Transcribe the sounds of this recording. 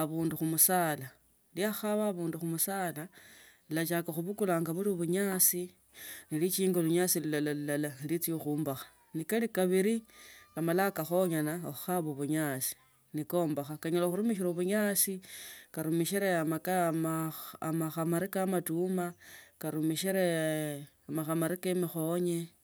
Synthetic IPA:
aβuːnduxumusaːla | liaxaβaːβuːnduxumusaːla | ilat͡ʃakaxuβukulaːŋɡaβuɾioβuɲat͡si | nilit͡ʃiːŋɡoluɲaːsilulalalulalalit͡sioxuːmbaxḁ | nikalikaβiɾiamalakaxo̞ɲanaoxuxaβoβuɲat͡si̥ | niko̞ːmbaxakaɲolaxuɾumiʃ̬iɾoβuɲaːsikaɾumiʃiɾeamakamamaxamaɾikamatumakaɾumiʃiɾe | amaxamaɾikemixoɲe

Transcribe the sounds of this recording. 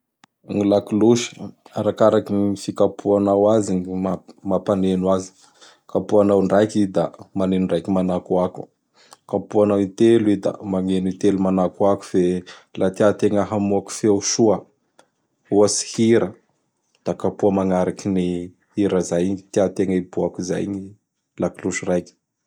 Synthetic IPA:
ŋilakuluʃə̥aɾakaɾakinifikapʰuanawazinmamapanenwazi̥ | kapuanawɳɖ͡ʐajkid̪amanenuɳɖ͡ʐajkimanakuaku̥ | kapuanawit̪eluwed̪a̰maŋenit̪elumanakuaku̥felʔat̪iat̪eŋəɦamuaku̥feuʃuə | uasi̥hiɾə | d̪̥akapuəmaŋaɾakini | hiɾəzajɲt̪iat̪eŋəibuakuza̰jɲi | lakluʃurajkʲi̥

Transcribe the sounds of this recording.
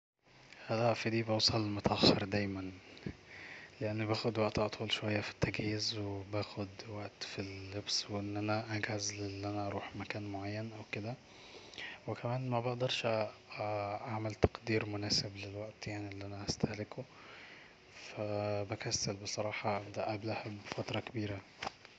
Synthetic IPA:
ælæʔfid̪iːbesˤɑlmæt̪ɑxʃɑɾˤd̪æːjmæn | leʔænːbæːxod̪wæʔt̪ʔɑt̪ˤuːlʃowæjːæfi̥t̪ːæɡhiːzwebæːxod̪wæʔt̪filːebsweʔenːʔænæʔæɡhæzlelːʔænæʔɑɾˤuːħmækæːnmoʕajːænʔæwked̪æ | wekæmæːnmæbeʔd̪ɑɾˤʃ | ʔaʕmælt̪ɑ̥qd̪iːɾmonæːseblelwæʔt̪jaʕniʔelːiʔænæʔæst̪æhleko | fæbækæsːælbesˤɑɾˤɑːħɑbd̪æʔæblæhabːefæt̪ɾˤɑkebiːɾæ

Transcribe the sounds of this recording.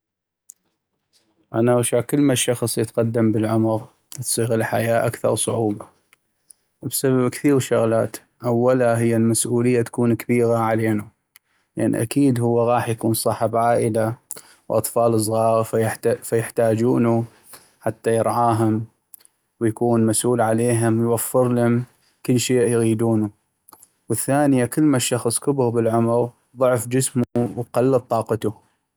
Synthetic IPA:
ʔanawʃakəlːmaʃːɑxsˤjət̪qɑd̪ːambəlʕʊmɾ | t̪sˤiːɣɪlħa̰jaːʔakθɑ̰ɾˤsˤʊʕuːba | bsababkθiːɾʃʊɣlaːt̪ | ʔawːalaɦɪjːalmasʔuːləjːat̪ḁkuːnkabiːɣaʕaleːnu | jʔanḭʔakiːd̪hʊwːaɣɑːħjakuːnsˤɑħɑbʕaːʔəla | wʔɑ̰t̪ˤfɑːlɨs̬ˤɣɑːɾfajfajɪħt̪aːd͡ʒuːnu | ħat̪ːajɪɾʕaːɦʊm | wjakuːnmasʔuːlʕaleːɦʊmwjwafːɪɾlʊm | kəlːʃeːʔjɣiːd̪uːnu | wəθːaːnɪjakəlːmaʃːɑxsˤkʊbʊbəlʕʊmɾ | ðˤʊʕfd͡ʒəsmuwqɑlːɑt̪ˤːɑːqɑt̪u

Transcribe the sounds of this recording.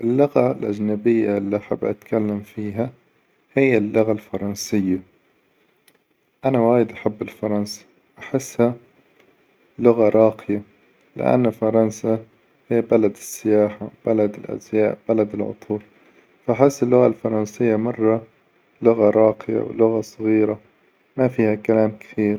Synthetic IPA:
ʔɪlːʊɣalʔad͡ʒnabɪjːalːiʔaħa̰bːʔa̰t̪kalːamfiːɦa | hɪjːalːʊɣalfɑɾˤɑnsɪjːa | ʔanawaːjɪd̪ʔaħabːɪlfɑɾˤɑnsḁ | ʔaħɪsːha | lʊɣaɾˤɑːqɪja | lɪ̰ʔa̰nːfɑɾˤɑnsa | hɪːbalad̪ɪsːɪjaːħab̥alad̪ɪlʔa̰zjaːʔb̥alad̪ɪlʕʊ̰t̪ˤʰuːl | faʔaħɪsːɪlːʊɣalfɑɾˤɑnsɪjːamɑrˤːɑ | lʊɣaɾˤɑːqɪja̰wlʊɣasˤɑɣiːɾa | mafiːhakalaːmkɪ̥θiːɾ

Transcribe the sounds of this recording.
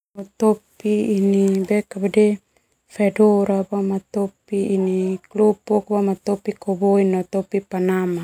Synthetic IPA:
not̪oppiːnibekabade | fedoɾabamat̪opiːniklopokbamat̪opikoboinot̪opipanama

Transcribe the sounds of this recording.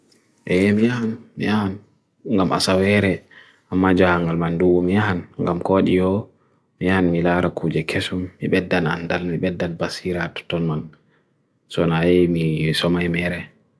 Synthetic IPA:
ʔɛjɛmijahanmḭjahan | ŋɡamʔa̰sawɛɾɛ | ʔamːad͡ʒahaŋɡalmanduwɔmijaɦanŋɡamkɔɗijɔ | mijahanmilaɾakʰud͡ʒɛkʰesumːiɓɛdːana̰ndalmiɓɛdːanbasiɾatɔ̥tɔnman | sɔnajɛmisɔmajmɛɾɛ

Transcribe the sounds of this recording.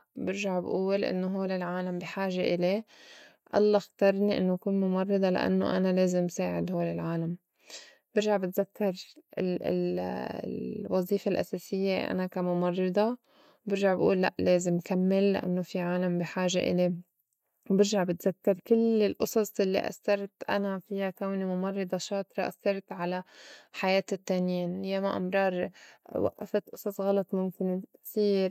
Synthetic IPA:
bɪɾʒaʕbʔuːlʔɪ̰nːoɦoːlɪlʕaːlambiħaːʒeʔɪle | ʔɑ̰lˤːɑxt̪ɑɾˤniʔɪ̰nːokuːnmʊmɑrˤːɑd̪ˤɑla̰ʔa̰nːo̰ʔa̰naleːzɪmsaːʕɪd̪hoːlɪlʕaːlam | b̥ɪɾʒaʕbɪt̪zakːɑɾˤɪ | wɑzˤiːfalʔa̰saːsɪjːeʔʔa̰nakamʊmɑrˤːɑd̪ˤɑ | bɪɾʒaʕbʔṵːlːa̰ʔleːzɪmːkamːɪlːʔa̰nːofiʕaːlambiħaːʒeʔɪ̰le | bɪɾʒaʕbɪt̪zakːɑɾˤkɪlɪlʔʊsˤɑsˤʔɪlːḭʔa̰sːɑɾˤt̪ʔa̰nafɪjakawnimʊmɑrˤːɑd̪ˤɑʃɑːt̪ɾˤɑʔa̰sːɑɾˤt̪ʕalaħajeːt̪ɪt̪ːaːnjiːnjaːmaʔɑ̰mɾˤɑːɾˤwa̰ʔːa̰fat̪ʔʊsˤɑsˤɣɑlɑt̪ˤmʊmkɪnsiːɾ

